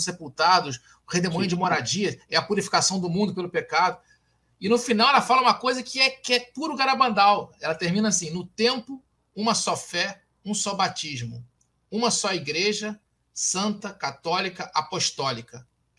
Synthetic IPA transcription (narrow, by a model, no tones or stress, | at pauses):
sepuwt̪ad̪ʊs | hed̪emõj̃d͡ʒɪmoɾad͡ʒiɐɛɐpuɾifi̥kasɐ̃w̃d̪ʊmũnd̪ʊpelʊpekad̪ʊ | ɪnʊfinawɛlɐfalɐũmɐkojzɐkɪɛkɪɛpuɾʊkaɾabɐ̃nd̪awɛlɐt̪eɾmĩnɐsĩnʊt̪ẽmpʊ | ũmɐsɔfɛ | ũsɔbat͡ʃiʒmʊ̰ | ũmɐsɔiɡɾeʒɐ | sɐ̃nt̪ɐkat̪ɔlikɐʔapoʃt̪ɔlikɐ